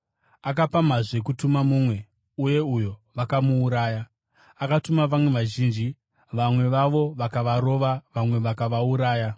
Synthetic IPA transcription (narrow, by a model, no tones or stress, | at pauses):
ak̬apamaʐekutumamuːmwe̞ | uje̞ujo̞ʋakamuːɾaːjaː | katumaʋamwe̞ʋaʒiːnd͡ʒi | ʋamwe̞ʋaʋo̞ʋakaʋaɾo̞ʋaʋamwe̞ʋakaʋauɾaːja